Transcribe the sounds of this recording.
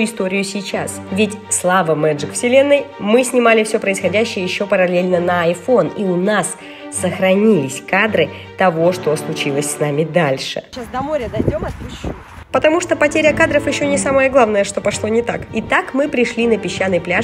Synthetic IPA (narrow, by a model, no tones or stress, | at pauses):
ɪst̪o̞ɾʲɪjʊsʲɪt͡ɕasvʲɪtʲslˠavəmɛʐɨkfsʲɪlʲe̞nːɨjmɨsʲnʲɪmalʲɪfsʲopɾəɪsxɐdʲæɕːɪjəjɪɕːo̞pəɾɐlʲelʲnənəɐjfo̞niʊnasː | əxɾɐnʲilʲɪsʲkad̪ɾɨ | t̪ɐvo̞ʂt̪o̞slˠʊt͡ɕilˠəsʲsnamʲɪd̪alʲʂɨ̰asd̪ɐmoɾʲəd̪ɐjdʲomɐt̪pʊ | pət̪ɐmuʂt̪o̞pɐtʲeɾʲəkad̪ɾəfjɪɕːonʲɪsaməjəɡlˠavnəjəʂt̪o̞pɐʂlˠo̞nʲɪt̪akɪt̪akmɨpɾʲɪʂlʲinəpʲɪɕːanːɨjplʲa